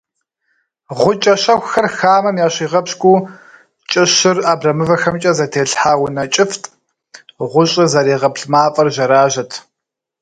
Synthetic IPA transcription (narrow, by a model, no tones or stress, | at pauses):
ʁʷʊt͡ʃʼɐɕɐxʷxɐrxaːmɐmjaːɕiːʁɐpɕkʷʼuː | t͡ʃʼɪɕɪraːbrɐmɨvɐxɐmt͡ʃʼɐzɐtʰeːɬħaːwʊnɐt͡ʃʼɪftʰʼ | ʁʷʊɕʼɪzɐɾiːʁɐpɬmaːfʼɐrʒɐɾaːʒɐtʰ